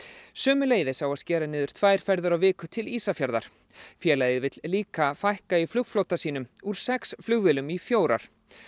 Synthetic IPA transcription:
sœːmʏleːjðɪsawaðscɛːɾanɪːðʏɾ̥t̪ʰvaːjɾ̥fɛɾðʏɾawvɪːkʏt̪ʰɪliːsafjaɾða̰ɾ̥ | fjɛːlajðɪvɪt̪lliːkafajhkaiflʏɣflowt̪asiːnʏmuɾ̥sɛksflʏɣvɪlʏmifjoːwɾa̰ɾ̥

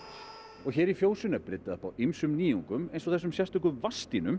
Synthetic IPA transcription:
ɔɣçɛːɾifjoːwsʏnapɾɪt̪ːaðahpawimsʏmniːuŋkʏmejnsɔɣθɛs̬ʏmsjɛr̥t̪ʏŋkʏvast̪inʏm

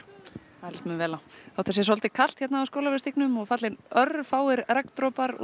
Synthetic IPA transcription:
aðlɛst̪mɛnvɛːlawawt̪as̬jɛsɔlt̪ɪkʰal̥t̪çɛt̪naːwskoːwlavɛɾst̪iknʏmɔɣfat̪lɪnœɾfaːwɪɾɾakt̪ɾɔːpaɾ̰

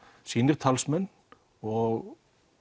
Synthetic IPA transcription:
siːnɪɾ̥t̪ʰalsmɛn | ɔɣ

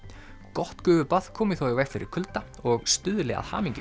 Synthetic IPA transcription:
kɔht̪kʏːvʏpað̥kʰɔːmɪθɔwavɛxfɪɾɪ̰ɾ̥kʰʏlt̪a | ɔɣst̪ʏðʏlɛɣa̰ðha̰ːmiɲcɪ

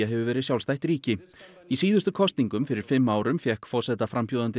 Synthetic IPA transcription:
aɦɛvʏvɛːɾɪðsjawlst̪ajht̪ɾiːcɪ | isiːðʏst̪ʏkʰɔst̪niŋkʏmfɪɾɪɾ̥fɪmːaːwɾʏmfjɛhkfɔrsɛt̪afɾampʰjuːðant̪ɪ

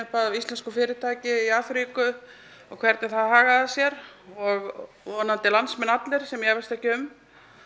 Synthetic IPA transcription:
ɪpaːɾaist̪lɛnskʏfɪːɾɪt̪ʰaːcɪiaːθɾiːkʏ | ɔɣkʰvɛɾt̪nɛɾθaðɦaːɣaðasjɛɾɔɣ | vɔnːant̪ɪlansmɛnat̪lɪɾ̥sɛmjɛvɛlst̪ɛhcɪʏm

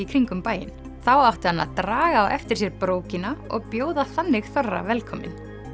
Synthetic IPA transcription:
ikʰɾiŋkʏmpaːjɪ̰n | θawawht̪ɪ̥hanːa̰t̪ɾaːɣaːwʔɛft̪ɪɾ̥sjɛɾpɾoːwcɪnaɔ̰ɣpjoːwðaθanːɪɣθɔrːa̰vɛlkʰɔmɪ̰n

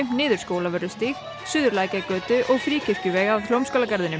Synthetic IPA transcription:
nɪːðʏɾ̥skoːwlavœɾʏst̪iːx | sʏːðʏɾlaːjcakœːt̪ʏʔɔɣfɾiːcʰɪfcʏvɛːɣavθlowmskowlakaɾðɪnʏ

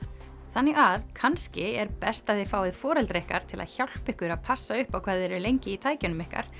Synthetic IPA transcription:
θanːɛɣaðkʰanscɪɛɾpɛst̪aðθɪfaːwɪðfɔːɾɛlt̪ɾɪhka̰ɾ̥t̪ʰɪla̰ðçawl̥pɪhkʏɾaðpʰasːaʏhpawkʰvaːðɛɾʏlejɲcɪit̪ʰaːjcʏnʏmɪhka̰ɾ̥

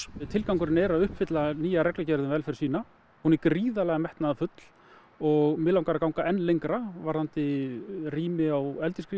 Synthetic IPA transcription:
t̪ʰɪlkawŋkʏɾɪnɛɾaðʏhpfɪt̪laniːjaɾɛklacɛɾðʏmvɛlfɛɾ̥siːna | hunɪkriːðalɛɣamɛht̪naðafʏt̪l̥ | ɔɣmɪːlawŋkaɾakawŋkaʔɛnːlejŋkɾavaɾ̥ant̪ɪriːmɪawɛlt̪ɪskɾi

